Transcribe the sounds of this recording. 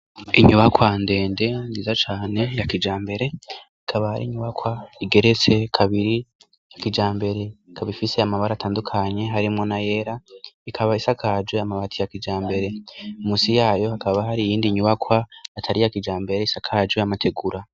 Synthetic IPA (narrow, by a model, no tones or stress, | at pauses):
iɲuβakwande̞ːnde̞nzizat͡ʃaːne̞jakid͡ʒaːmbe̞ɾe̞ | ikʰaβaha̰ɾḭːɲuβakwaiɡe̞ɾe̞t͡se̞kʰaβiɾi | jakid͡ʒaːmbe̞ɾe̞ikʰaβifise̞amaβaɾaːtaːndukʰaɲe̞ɦaɾimŋo̞naje̞ɾaikʰaβaisakʰad͡ʒoamaβatʰijakid͡ʒaːmbe̞ɾe̞umuːsijaːjo̞hakaβahaɾijiːndiɲuβakwaːtʰaɾijakid͡ʒaːmbe̞ɾeisakʰad͡ʒoamatʰe̞ɡuɾa